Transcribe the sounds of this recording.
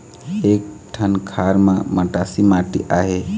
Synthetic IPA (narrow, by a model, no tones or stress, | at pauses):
ek̚ʈʰənkʰaɾmãməʈasimãʈiʔaɦe